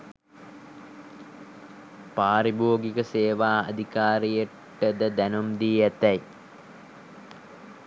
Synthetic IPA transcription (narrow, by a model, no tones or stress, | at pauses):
paːɾiboːɡikəseːʋaːɐ̰d̪ʱikaːɾijə | ʈːəd̪əd̪ænumd̪iːæt̪ɛj